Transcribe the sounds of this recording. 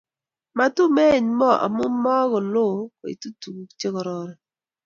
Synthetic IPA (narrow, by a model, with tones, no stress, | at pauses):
ma˦tu˦me˦˨ɲmɔ˦˨ʔa̰˨mʊ˦mːɔ˦ɣɔ˨lo˦˨kɔ˨ḭ˨tu˦tu˨ku˨t͡ʃe˦kɔ˨ɾɔ˦ɾɛ˨